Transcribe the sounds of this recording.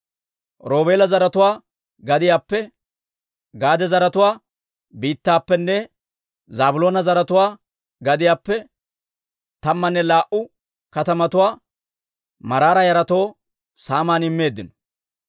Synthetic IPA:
ɾo̞ːbe̞ːlɐzɐɾɐt̪ʊwaː | ɡɐd̪ɪjaːpːɛ | ɡaːd̪ɛzɐɾɐt̪ʊwaː | biːt̪ːaːpːɛnːɛ | zaːbʊlo̞ːnɐzɐɾɐt̪ʊwaː | ɡɐd̪ɪjaːpːɛ | t̪ɐmːɐnːɛlaːʔʊ | kɐt̪ɐmɐt̪ʊwaː | mɐɾaːɾɐjɐɾɐt̪o̞ː | saːmaːnɪmːe̞ːd̪ːɪnɔ̥

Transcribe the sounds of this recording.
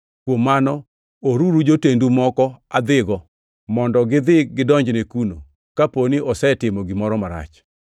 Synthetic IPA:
kwomːanɔ | oɾuɾud͡ʒotendumɔkɔad̪ɪɡɔ | mɔndɔɡɪd̪ɪɡɪdɔɲd͡ʒnekuno̰ | kaponiʔɔsɛtɪmɔɡɪmɔɾɔmaɾa̰t͡ʃ

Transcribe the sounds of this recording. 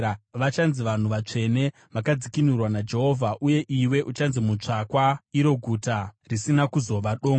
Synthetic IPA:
ʋat͡ʃanziʋan̤uʋat͡ʂe̞ne̞ | ʋakad͡zikinurwanad͡ʒe̞ɦo̞ːvʱaʔuje̞ʔiwe̞ʔut͡ʃanzimut͡ʂakwaiɾo̞ɡʱutarisinakuzo̞ʋaɗo̞ːŋɡ

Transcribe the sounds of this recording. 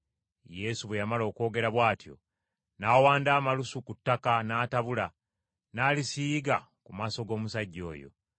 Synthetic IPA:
je̞suβwejamalo̞ːko̞ːɡe̞ɾaβwaːtjo̞̰ | naːwaːndaːmalusukutːakanaːtaβula | naːlisiːɡa | kumaːso̞ɡo̞ːmusaɟːo̞̰ːjo̞̰

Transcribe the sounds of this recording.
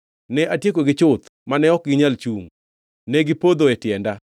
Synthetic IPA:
nɛʔatjekoɡɪt͡ʃʊt̪ | manɛɔk̚ɡɪɲalt͡ʃuŋ | nɛɡɪpod̪oɛtɪjɛnda

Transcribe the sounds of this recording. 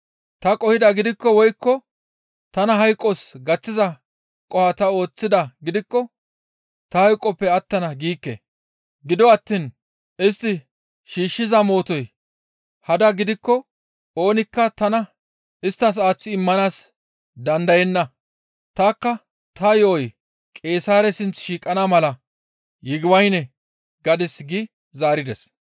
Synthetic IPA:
t̪ɐkʼɔhɪd̪ɐɡɪd̪ɪkːɔwɔjkːɔ | t̪ɐnɐɦɐjkʼːɔsɡɐt͡sːɪzɐ | kʼɔhɐt̪ɐo̞ːt͡sːɪd̪ɐɡɪd̪ɪkːɔ | t̪ɐhɐjkʼːɔpːɛɐt̪ːɐnɐɡiːkːḛ | ɡɪd̪ɔɐt̪ːiːn | ɪst̪ːɪ | ʃiːʃːɪzɐmo̞ːt̪ɔj | hɐd̪ɐɡɪd̪ɪkːɔ | o̞ːnɪkːɐt̪ɐnɐ | ɪst̪ːɐs̬aːt͡sːɪɪmːɐnaːs | d̪ɐnd̪ɐjɛnːɐ | t̪aːkːɐ | t̪ɐjɔʔɔj | kʼe̞ːsaːɾɛsɪnt͡sʃiːkʼɐnaːmɐlɐ | jɪɡɪwɐjnɛ | ɡɐd̪ɛsɡɪ | zaːɾɪd̪ɛs

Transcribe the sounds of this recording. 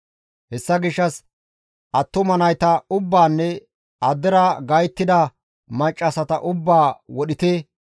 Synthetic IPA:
hɛsːɐɡɪʃːɐs | ʔɐt̪ːʊmɐnɐjt̪ɐʊbːaːnːɛ | ɐd̪ɛɾɐɡɐjt̪ːɪd̪ɐ | mɐt͡ʃʼːɐsɐt̪ɐʔʊbːaːwɔɗɪt̪eː

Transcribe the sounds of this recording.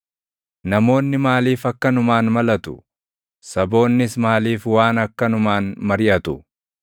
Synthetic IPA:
nɐmo̞ːnːɪmaːliːfɐkːɐnʊmaːnmɐlɐt̪ʊ̥ | sɐbo̞ːnːɪsmaːliːfwaːnɐkːɐnʊmaːnmɐɾɪʔɐt̪ʊ

